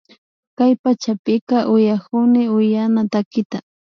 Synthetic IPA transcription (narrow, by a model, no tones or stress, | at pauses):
kajpat͡ʃapɪkaʔʊjakʊnɪʊjanat̪akɪt̪a